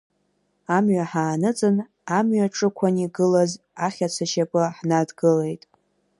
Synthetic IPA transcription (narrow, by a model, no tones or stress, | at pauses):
amɥaħaːnɨt͡sʼɨn | amɥaʈ͡ʂʼɨkʷʰaniɡɨlaz | aχʲat͡sʷʰaʃapʼɨħnadɡɨle̞jtʼ